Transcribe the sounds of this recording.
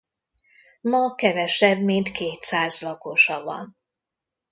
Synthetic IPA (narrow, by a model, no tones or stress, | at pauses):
mɒkɛvɛʃɛbmint̪kʰeːt̪saːzlɒko̞ʃɒvɒ̰n